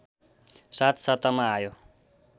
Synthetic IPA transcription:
sat̪sʌt̪ʌmaːjo

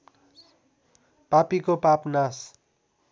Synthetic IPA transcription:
papikopapnas

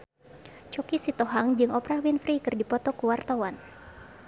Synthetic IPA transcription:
t͡ʃɔkisit̪ɔɦaŋd͡ʒɨŋɔpɾawinfɾikɨrdipɔt̪ɔkuwart̪awan

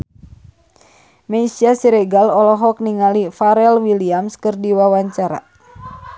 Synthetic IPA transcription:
mɛisiasiɾɛɡalɔlɔɦɔk̚niŋalifaɾɛlwiliamskɨrdiwawaɲt͡ʃaɾa̰

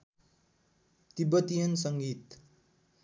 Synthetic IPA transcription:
t̪ibʌt̪ijʌnsʌŋɡit̪

